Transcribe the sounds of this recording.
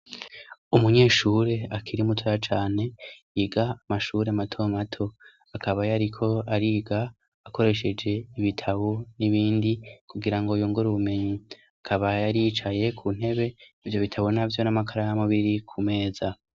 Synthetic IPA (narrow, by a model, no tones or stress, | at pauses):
umuɲe̞ːʃuːɾe̞akiɾimutʰojat͡ʃaːne̞ | iɡaːmaʃuːɾe̞amatʰomatʰo̞ | akʰaβajaɾikʰo̞aɾiːɡaː | ko̞ɾe̞ʃe̞d͡ʒe̞iβitʰaβoniβiːndikuɡiɾaŋɡojuːŋɡuɾuβume̞ɲi | akʰaβajaɾiːt͡ʃaje̞kʰun̥e̞βe̞ivjo̞βitʰaβonavjo̞namakʰaɾajamuβiɾikʰume̞ːza